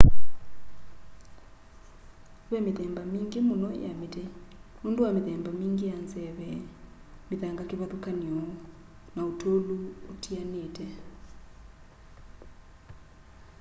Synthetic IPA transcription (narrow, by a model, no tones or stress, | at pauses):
βɛmiðɛmbamiŋɡemunɔ̰ja̰mitɛmunduwameðɛmbamiŋɡijanzɛβɛ | miðaŋɡakiβaðukaniɔ | nautʰoluːtʰianetɛ